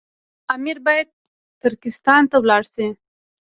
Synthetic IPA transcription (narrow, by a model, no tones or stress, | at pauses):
amiɾbɑjad̪̚ | t̪ʊɾkɪst̪ɑnt̪awlɑɽsi